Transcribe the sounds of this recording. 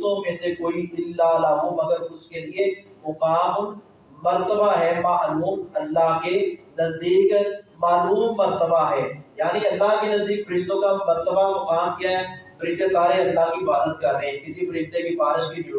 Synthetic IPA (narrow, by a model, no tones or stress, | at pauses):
t̪õmẽːsekoːiɪlːalaɦomɐɡəɾʊskelie | mʊkaːmː | ɐɾt̪əbaɦɛːmaʔluːmɐlːaɦkenɐzd̪iːkmaːluːmːɐɾt̪əbaɦɛːjaːniɐlːaɦkenɐzd̪iːkfɐɾɪʃt̪õkamɐɾt̪əbamɐkaːmkijaɦɛfɐɾɪʃt̪esaːɾeɐlːaɦkibaːd̪ət̪̚kɐɾːəɦɛ̃kɪsifɐɾɪʃt̪ebʱibaːɾɪʃkib